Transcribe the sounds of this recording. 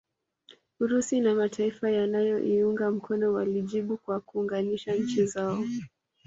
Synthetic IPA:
uɾusinamatʰaifajanajɔʔiuŋɡam̩kʰɔnɔwaliʄiɓukwakuːŋɡaniʃaɲ̩t͡ʃizaɔ

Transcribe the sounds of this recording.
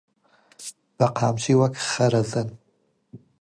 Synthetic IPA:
b̥ɐqʰaːmʃiwakʰχɐɾɐzɐn

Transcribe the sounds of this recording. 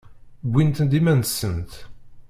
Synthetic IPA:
ɡʷint̪ənd̪imænsːənt̪

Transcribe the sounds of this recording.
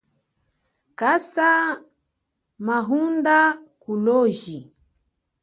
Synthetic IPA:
kasa | maɦundakulɔʒi

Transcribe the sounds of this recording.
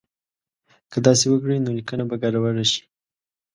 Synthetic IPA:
kəd̪ɑsewəkɽəjnolikənabaɡaɾawaɽaʃi̥

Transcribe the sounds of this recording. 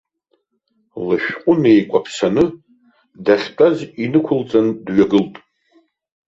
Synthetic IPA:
lɨʃᶣqʷʼʊnejkʷʼapʰsanɨ | daχʲtʼazinɨkʷʰʊlt͡sʼandɥaɡɨltʼ

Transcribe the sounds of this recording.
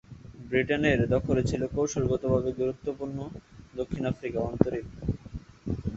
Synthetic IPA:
bɾiʈeneɾd̪ɔkʰolet͡ɕʰilokowʃolɡot̪obʱabeɡ̪uɾut̪ːopuɾnod̪okʰːinafɾikaɔnt̪oɾik̚

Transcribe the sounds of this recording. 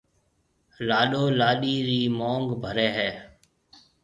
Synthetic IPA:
laːɗoːlaːɗiːɾiːmoːŋɡbʱəɾɛːɦɛː

